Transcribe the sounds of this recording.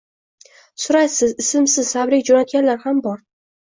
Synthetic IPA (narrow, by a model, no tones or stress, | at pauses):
sʊɾajsɪzɪsɪmsɪz̥sabɾɪk̚ʲd͡ʒonat̪̚ɡʲanlaɾhambɒɾ